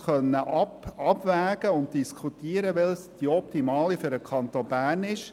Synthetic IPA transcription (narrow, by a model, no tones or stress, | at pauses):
χœnːəʔɑpɑbvæːɡ̥əʊntd̥iskχutiːəɾəʋɛlsd̥iɔp̚timɑːlifʏɾəkʰɑnt̪obæːrnɪʃ